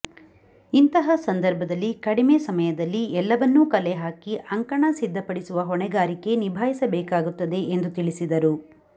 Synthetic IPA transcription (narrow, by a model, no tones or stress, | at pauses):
int̪ɐɦɐsɐnd̪ɐɾbʱɐd̪ɐlːikɐɽimeːsɐmɐjɐd̪ɐlːiɛlːɐʋɐnːuːkɐleɦaːkiʔɐŋkɐɳɐsid̪ːɐpɐɽisuʋɐɦɔɳɛɡaːɾike̞nibʱaːjisɐbɛːkaːɡut̪ːɐd̪e̞end̪ut̪iɭisid̪ɐɾu